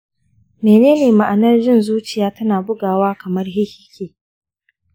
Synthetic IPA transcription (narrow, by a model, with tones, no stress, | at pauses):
meː˨neː˦neː˨ma˨ʔa˨nɐ˦rd͡ʒɪ˦˨nzuː˦t͡ʃɪ˨jaː˦tɐ˦naː˨bʊ˦ɡaː˨waː˦kɐ˨mɐ˦rɦɪ˦hɪ˦kʲeː˨